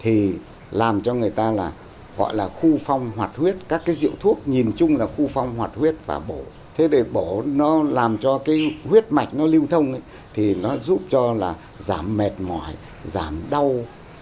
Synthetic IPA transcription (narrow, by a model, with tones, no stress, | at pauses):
t̪ʰi˨˩ | laː˨˩mt͡ɕɔ˧ŋɨ˨˩əjt̪aː˧laː˨˩ | ɣɔ̰˧˨jlaː˨˩xu˧fa˧wŋ͡mɦwaː˨˩t̚hwi˦˥ət̚kaː˦˥kːaː˨˦jzḭ˧˨əwt̪ʰu˦˥ək̚ɲi˨˩nt͡ɕʊ˧ŋ͡mlaː˨˩xu˧fa˧wŋ͡mhwaː˨˩t̚hwi˦˥ət̚va̰ː˨˩ɓo˧˩ | t̪ʰe˨˦ɗe˧˩ɓo˧˩nɔ˨˦laː˨˩mt͡ɕɔ˧kaː˨˦jhwi˦˥ət̚ma˨˩jk̟̚nɔ˨˦li˧əwt̪ʰə˧wŋ͡mʔə˨˦j | t̪ʰi˨˩nɔ˨˦zu˦˥p̚t͡ɕɔ˧laː˨˩ | zaː˧˩mːɛ˨˩t̚mɔ̰˧˨˩j | zaː˧˩mɗa˧w